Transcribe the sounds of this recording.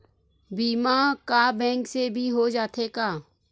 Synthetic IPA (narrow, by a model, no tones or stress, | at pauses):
biːmakabɛ̃ːŋksebʱiɦod͡ʒaːt̪ʰekaː